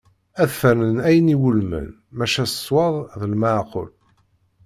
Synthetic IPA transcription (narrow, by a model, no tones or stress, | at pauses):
æðθænənæjəniwulmə̰n | mæʃæsə̥sˤːwɑðˤðəlməʕqo̰l